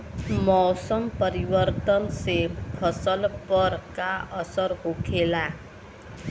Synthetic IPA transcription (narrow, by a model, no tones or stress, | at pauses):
mɔwsəmpəɾiʋəɾt̪ənsepʰəsəlpəɾkaʔəsəɾɦokʰela